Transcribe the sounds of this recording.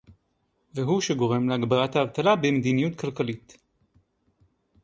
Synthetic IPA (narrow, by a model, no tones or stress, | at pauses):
veɦuʃe̞ɡo̞ʁe̞mleaɡbalat̪haːvt̪alabemed̪inijutkalkalit̪